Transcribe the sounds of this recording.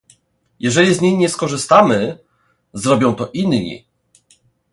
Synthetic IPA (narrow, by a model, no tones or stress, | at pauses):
jʔɛʐɛlʲizɲijɲɛskɔʐɘst̪amɘ | zɾɔbʲjɔ̃w̃t̪ɔʔinɲḭ